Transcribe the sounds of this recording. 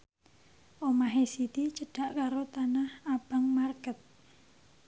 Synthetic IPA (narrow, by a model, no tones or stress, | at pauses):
ʔomaɦesit̪it͡ʃəɖ̥aʔkaɾot̪anahab̥aŋmarkət̪̚